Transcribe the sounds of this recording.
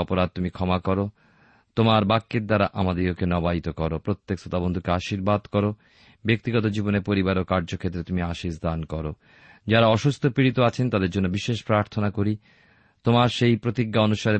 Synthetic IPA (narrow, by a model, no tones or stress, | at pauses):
ɔpoɾad̪̚t̪umikʰɔmakɔɾo | t̪omaɾbakːeɾd̪aɾaʔamad̪eokenɔbait̪okɔɾopɾot̪ːeksot̪abond̪ʱukeaʃiɾbad̪kɔɾo | bek̚t̪iɡɔt̪̬od͡ʑiboneɾpoɾibaɾokaɾd͡ʑokʰet̪ːɾet̪umiaʃiʃd̪ankɔɾo | d͡ʑaɾaɔʃust̪ʰopɾiɾit̪oat͡ɕʰent̪ad̪eɾd͡ʑonːobiʃeʃpɾaɾt̪ʰonakoɾi | t̪omaɾʃejpɾot̪iɡːaonuʃaɾe